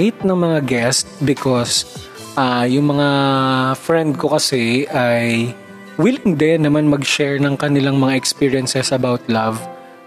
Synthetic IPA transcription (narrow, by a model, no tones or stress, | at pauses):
ɪt̪̚nɐŋmɐŋaɡɛst̪̚bɪkʰos | ʔajʊŋmɐŋafɹɛnd̪̚kokɐsɛʔaj | wilɪŋd̪ɛnɐmanmɐɡʃɛɹnɐŋkɐnɪlaŋmɐŋaʔɛkspiːɹɪjɐnsɛsʔɐbawt̪lav